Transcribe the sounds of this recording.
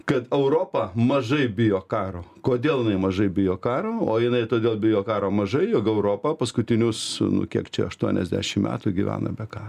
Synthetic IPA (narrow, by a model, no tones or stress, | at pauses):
kɐt̪ɛʊɾoːpɐmɐʒɐɪbʲɪjoːkɑːɾoːkoːd̪ʲeːlˠjɪnɐɪmɐʒɐɪbʲɪjoːkɑːɾoːoːjɪnɐɪt̪oːd̪ʲeːlˠbʲɪjoːkɑːɾoːmɐʒɐɪjoːkɛʊɾoːpɐpɐskʊt̪ʲɪnʲʊsnʊ̰kʲiɛkt͡ʃʲɛ̰ɐʃt̪uɔnʲɛ̰zʲd̪ʲæ̰ːʃʲɪmmʲæ̰ːt̪ʊɡʲiʋʲæ̰ːnɐ̰bʲɛkɑːr